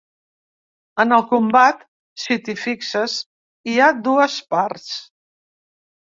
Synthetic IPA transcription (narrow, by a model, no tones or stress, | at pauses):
ənəlˠkumbat̪ | sit̪ifiksəs | iad̪uəspaɾts